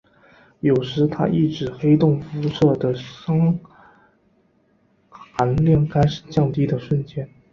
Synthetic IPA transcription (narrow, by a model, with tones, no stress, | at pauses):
jo˨˩ʊʂɻ̩˧˥t̪ʰa̰˥ʔi˥˩ʈ͡ʂɻ̩˨˩xe˥ɪt̪ʊ˥˩ŋfu˧˥ʂɤ˥˩d̪ə˩ʂɑ˥ŋ | xa˧˥nljɑ˥˩ŋka˥ɪʂɻ̩˨˩t͡ɕjɑ˥˩ŋt̪i˥d̪ə˨ʂwə˥˧nt͡ɕjɛ˥˩n